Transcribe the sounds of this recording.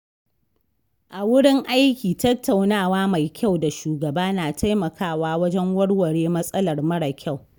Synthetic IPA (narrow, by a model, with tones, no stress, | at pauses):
ʔa˨wʊ˦ɽɪ˦ŋʔa˦jkʲiː˨tɐ˦tʰːa˨wnaː˦˨waː˦ma˨jkʲa˦˨wda˨ʃuː˨ɡɐ˨baː˦naː˨tʰa˦jmɐ˨kʰaː˦˨waː˦wɐ˦d͡ʒɛ˦ŋwɐ˦ɽwɐ˨ɽeː˦mɐ˦sʼɐ˦lɐ˨rmɐ˦ɽa˨kʲʰa˦˨w